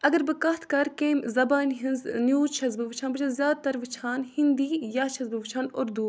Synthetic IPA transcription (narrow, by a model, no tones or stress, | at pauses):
ɐɡɐɾbɨkɐɦt̪ʰkɐɾkeːmzɐbaːnɦinznjuːt͡ʃʰɐzbɨʋɨt͡ʃʰaːnbɨt͡ʃʰɐzjaːd̪̚t̪ɐɾʋɨt͡ʃʰaːnhind̪iːjaːt͡ʃʰɐzbɨʋɨt͡ʃʰaːnoɾd̪uː